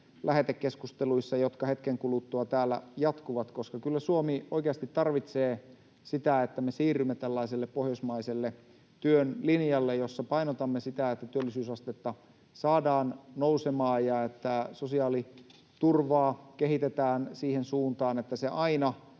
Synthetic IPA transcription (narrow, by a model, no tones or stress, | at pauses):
lʔæhet̪ekːeskust̪eluisːɑjot̪kɑhe̞t̪keŋkulut̪ːoɑt̪æːlːæ̰jɑt̪kuʋɑt̪koskɑkylːæsuomioikeɑst̪it̪ːɑrʋit̪seː | sit̪æet̪ːæmesiːrymːet̪ælːɑiselːeppohjosmɑiselːe | t̪yønlinjɑlːejosːɑpɑinot̪ɑmːesit̪æet̪ːæt̪yølːisyːsɑst̪et̪ːɑ | sɑːdɑːnnousemɑːjɑet̪ːæsosiɑːli | t̪urʋɑːkeɦit̪et̪æːnsiːhensuːnt̪ɑːnet̪ːæseʔɑinɑ